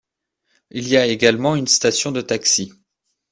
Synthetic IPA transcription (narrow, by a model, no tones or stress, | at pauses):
iljaeɡalmɑ̃ynst̪asjɔ̃d̪ət̪aksi